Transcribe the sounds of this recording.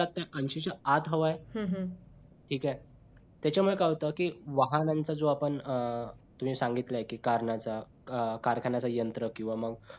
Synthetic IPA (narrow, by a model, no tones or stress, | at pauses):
at̪ːaʔənɕit͡səat̪ɦəʋajɦɦ | ʈʰiːka | t̪jat͡ɕjamuɭekaʋt̪əkiːʋaɦanant͡sad͡zoapəɳ | t̪um̤iːsaŋɡit̪laekiːkaɾɳat͡sa | kaɾkʰanat͡sajənt̪ɾəkĩw̃ʋaməɡ